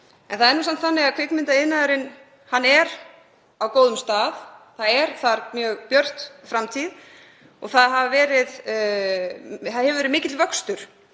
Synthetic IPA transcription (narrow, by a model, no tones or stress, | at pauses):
ɛ̰nθaðɛɾnusan̥t̪θanːɪɣaðkʰvɪknmɪnt̪aɪðnaðʏɾɪn | hanːɛɾ | awkoːwðʏmst̪aːðθaðɛɾ̥θaɾmjœːɣpjœr̥t̪fɾamt̪ʰið | ɔɣθaðɦavvɛːɾɪð | θaðhɛvʏvɛːɾɪðmɪːcɪt̪lvœkst̪ʏɾ̥